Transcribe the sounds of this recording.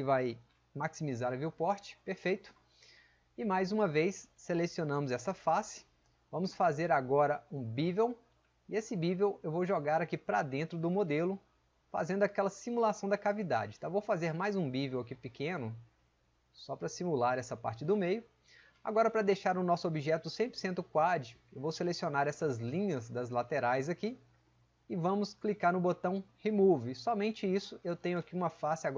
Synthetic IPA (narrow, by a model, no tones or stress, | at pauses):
kɪvaj | maksimizaɾɐviwpɔɾt͡ʃɪ̥peɾfejt̪ʊ̥ | ɪmajzũmɐvejsːelesionɐ̃mʊzɛsɐfasɪ̥ | vɐ̃mʊsfazeɾaɡɔɾɐũbivew | ɪesɪbivewewvowʒoɡaɾakipɾɐd̪ẽnt̪ɾʊd̪ʊmod̪elʊ | fa̰zẽnd̪ʊakɛlɐsimulasɐ̃w̃d̪ɐkavid̪a̰d͡ʒɪt̪avowfazeɾmajzũbivewɐkipɪkẽnʊ | sɔpɾɐsimulaɾɛsɐpa̰ɾt͡ʃɪd̪ʊmejʊ | a̰ɡɔɾɐpɾɐd̪ejʃaɾʊnɔsʊobiʒɛt̪ʊsẽpɾoɾsẽnt̪ʊkwad͡ʒɪewvowselesionaɾɛsɐzlĩɲɐzd̪ɐzlat̪eɾajzɐki | ɪvɐ̃mʊsklikaɾnʊbot̪ɐ̃w̃hemuvɪsɔmẽnt͡ʃɪisʊewt̪ẽɲʊakiũmɐfasɪaɡɔ